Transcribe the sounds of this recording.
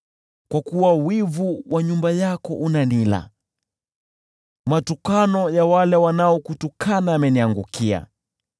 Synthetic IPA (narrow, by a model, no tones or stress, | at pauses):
kwakuwawivuwʔaɲumbajakɔʔunanila̰ | matukanɔjawalɛwanaɔkutukʰanaːmɛniaŋɡukia̰